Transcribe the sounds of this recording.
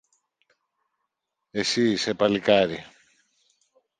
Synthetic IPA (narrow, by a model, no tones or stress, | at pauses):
esisepalikaɾi